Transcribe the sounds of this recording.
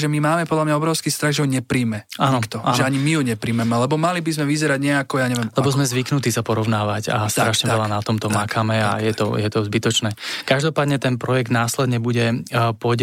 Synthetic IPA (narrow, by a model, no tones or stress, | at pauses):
ʒɛmimaːmɛpɔd̪lamɲaɔbɾɔʊskiːst̪ɾaɣʒɛɦɔɲɛpɾiːmɛaːnɔkt̪ɔaʒɛaɲimijuɲɛpɾiːmɛmɛlɛbɔmalibizmɛʋizɛɾaɟɲɛakɔjaːɲɛʋɛɛmlɛbɔzmɛzʋiknut̪isapɔɾɔʊnaːʋaɟa̰st̪ɾaʃɲɛʋɛlanat̪ɔmt̪ɔmakʰamɛa̰jɛt̪ɔ̰jɛt̪ɔzbit̪ɔt͡ʃnɛːkaʒd̪ɔpaːd̪ɲɛt̪ɛnpɾɔjɛɡd̪naːslɛd̪ɲɛbuɟɛpɔɟ